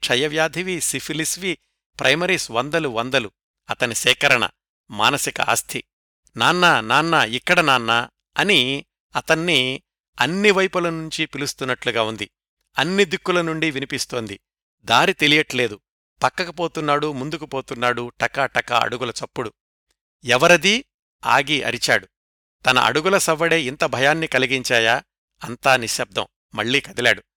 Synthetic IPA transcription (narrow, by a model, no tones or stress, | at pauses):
t͡ʃʰɐjɐʋjaːd̪ʱiʋisipʰilisʋi | pɾʔɐjmɐɾiːsʋɐnd̪ɐluʋɐnd̪ɐlu | ɐt̪ɐnisɛːkɐɾɐɳɐ̰ | ma̰ːnɐsikɐ̰ʔɐ̰st̪ʰi | naːnːɐnaːnːɐikːɐɽɐnaːnːɐ | ɐni | ɐt̪ɐnːi | ɐnːiʋɐjpulɐnuɲt͡ʃipilust̪unːɐʈluɡaːund̪i | ɐnːid̪ikːulɐnuɳɖiʋinipist̪o̞ːnd̪i | d̪aːɾit̪e̞lijɐʈle̞ːd̪u | pɐkːɐkɐpoːt̪unːaːɽumund̪ukupo̞ːt̪unːaːɽuʈɐkɐʈɐkɐ̰ɐ̰ɽuɡulɐt͡ʃɐpːuɽu | ɛʋɐɾɐd̪i | a̰ːɡiʔɐ̰ɾit͡ʃaːɽu | t̪ɐnɐ̰ʔɐ̰ɽuɡulɐsɐʋːɐɽe̞ːint̪ɐbʱɐjaːnːikɐliɡiɲt͡ʃaːjaː | ɐnt̪aːniʃɐb̚d̪ɐ̰m | mɐɭːiːkɐd̪ila̰ːɽu